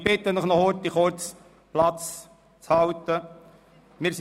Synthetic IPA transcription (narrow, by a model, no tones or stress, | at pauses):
b̥ɪt̪ːənləχnɔɔt̪iχʊɾt͡s | plɑt͡s | t͡shɑwt̪ːə | mɪːɾs